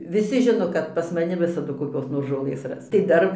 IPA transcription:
ʋʲɪˈsʲɪ ˈʒʲɪnoː kɐt pɐs mɐˈnʲɪ ˈʋʲɪsɐdʊ koːˈkʲoːs noːr ʒoːˈlˠɘs ˈrɐs tɐɪ ˈdɐr

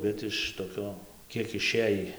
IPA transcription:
ˈbʲɛt ɪʃ toːˈkʲoː ˈkʲiɛk ɪˈʃʲeːjiː

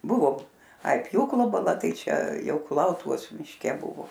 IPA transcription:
ˈbʊʋoː ɐɪ ˈpʲjuːklˠoː bɐˈlˠɐ ˈtɐɪ ˈt͡ʃʲɛ ˈjɛʊ kʊˈlˠɐʊtʊʋoːs mʲɪʃʲˈkʲɛ ˈbʊʋoː

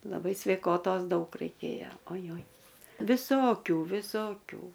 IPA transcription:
lˠɐˈbɐɪ sʲʋʲɛɪˈkoːtoːs ˈdɐʊk rɐɪˈkʲeːjoː oːˈjoːj ʋʲɪˈsoːkʲuː ʋʲɪˈsoːkʲuː

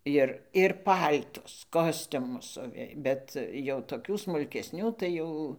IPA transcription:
ˈjɪr ɪr ˈpɐlʲtʊs ˈkoːsʲtʲʊmʊs ˈsʊʋʲeː ˈbʲɛt jɛʊ toːˈkʲuː smʊlʲkʲɛsʲˈnʲuː tɐɪ ˈjɛʊ

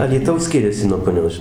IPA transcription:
ɐlʲiːˈtɐʊs ˈsʲkʲɪrʲɛsʲɪ nuɔ pʊˈnʲoːs ʒʲɪ

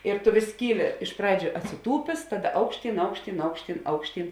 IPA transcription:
ɪr tʊ ʋʲɪs ˈkʲiːˌlʲɪ ɪʃ ˈprɑːd͡ʒʲʊ ɐtʲsʲɪˈtuːpʲeːs ˈtɑːˌdɐ ˈɐʊkʃʲˌtʲiːn ˈɐʊkʃʲˌtʲiːn ˈɐʊkʃʲˌtʲiːn ˈɐʊkʃʲˌtʲiːn

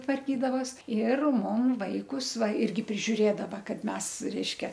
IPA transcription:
tʋɐrʲˈkʲiːdɐʋoːs ɪr ˈmʊm ˈʋɐɪkʊs ˈʋɐ ˈɪrʲɡʲɪ pʲrʲɪʒʲʊˈrʲeːdɐʋɐ ˈkɐt ˈmʲɛs ˈrʲɛɪʃʲkʲɛ

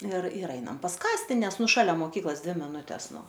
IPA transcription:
ɪr ɪr ˈɐɪnɐm pɐs ˈkɑːsʲtʲɪ ˈnʲɛs ˈnʊ ʃɐˈlʲɛ moːˈkʲiːklˠoːs ˈdʲʋʲɪ mʲɪˈnʊtʲɛs ˈnʊ

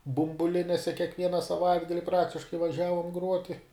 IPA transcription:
bʊmbʊˈlʲɪnʲeːsʲɛ kʲiɛkˈʋʲiɛnɐ sɐˈʋɐɪdɡɐlʲɪ ˈprɑːktʲɪʃkɐɪ ʋɐˈʒʲæːʋoːm ˈɡruɔtʲɪ

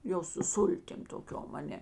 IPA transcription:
ˈjɛʊ sʊ ˈsʊlʲtʲɪm toːˈkʲoːm ɐˈnʲɛ

